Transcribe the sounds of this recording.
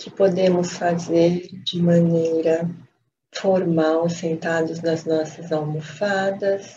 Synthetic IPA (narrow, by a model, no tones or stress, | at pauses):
kʰɪpod̪ẽmʊsfazeɾd͡ʒɪmɐ̃nejɾɐ | foɾmawsẽnt̪ad̪ʊznɐznɔsɐzalmofad̪ɐs